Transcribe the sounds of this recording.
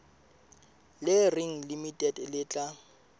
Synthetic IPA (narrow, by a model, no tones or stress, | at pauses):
lɪrɪŋ̩limitʼɛdlɪːt͡ɬʼa